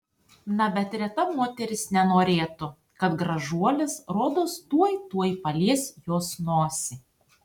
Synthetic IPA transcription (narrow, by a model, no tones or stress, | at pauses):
nɐbʲɛt̪ɾʲɛt̪ɐmoːt̪ʲɛɾʲɪsnʲɛnoːɾʲeːt̪ʊ | kɐt̪ɡɾɐʒuɔlʲɪsɾoːd̪oːst̪uɔjt̪uɔjpɐlʲiɛsjoːsnoːsʲɪ